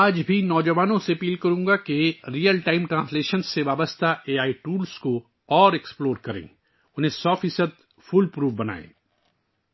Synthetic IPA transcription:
aːd͡ʒbʱinɔːd͡ʒɐʋaːnõseɐpiːlkɐɾũːɡakeɾiːəlʈaːɪmʈɾãːnsleːʃənsːeʋaːbəst̪ʰaeːaːiʈuːlsko | ɔːɾeksploːɾkɐɾḛ̃ː | ʊnɦẽsɔːfisəd̪̚ | fʊlpɾuːʋbɐna̰ːḛ̃ː

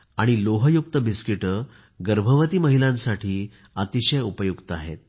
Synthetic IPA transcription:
aɽ̃iloɦəjuk̚t̪əbiskiʈə | ɡəɾbʱəʋət̪iːməɦilãnsaʈʰiː | ət̪iɕəjupəjukt̪əaɦet̪̚

